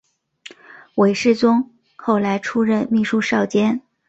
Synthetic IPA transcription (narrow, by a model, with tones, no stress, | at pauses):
we˧˥ɪʂɻ̩˥˩t͡sʊ˥ŋ | kʰo˥˩ʊla˧˥ɪʈ͡ʂʰu˥ɻə˥˧nmi˥˩ʂu˥˧ʂɑ˥˩ʊt͡ɕjɛ˥n